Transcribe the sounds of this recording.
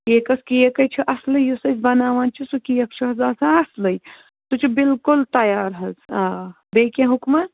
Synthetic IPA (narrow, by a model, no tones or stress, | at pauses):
eːkɐskijekɐjt͡ʃʰiʔɐslɐjusɐsʲbɐnaːʋaːnt͡ʃʰisukijɐk̚t͡ʃʰuɦɐzaːsaɐslɐj | t̪ut͡ʃʰubɪlkult̪ɐjaːɾɦɐzaː | beːkʲẽɦukma